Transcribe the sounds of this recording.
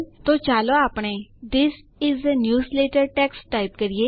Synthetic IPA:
t̪ot͡ʃaːloaːpɽ̃ed̪ɪsɪzənjuːsleːʈəɾʈɛksʈaɪpkəɾie

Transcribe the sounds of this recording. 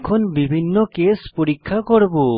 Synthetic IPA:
kʰɔnbibʱinːɔkespuɾikʰːakɔɽbu

